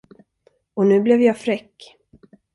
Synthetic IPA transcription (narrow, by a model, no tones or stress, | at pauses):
ɔnʉ̟ːblɛvjɑːfɾɛkː